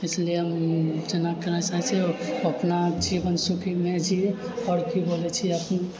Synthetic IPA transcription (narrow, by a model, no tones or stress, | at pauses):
eslieɦəmd͡ʒənakəɾasaɦɛt͡ʃʰiɔəpnad͡ʒibənsukʰimed͡ʒi | ɔɾkibolɛt͡ʃʰiəpən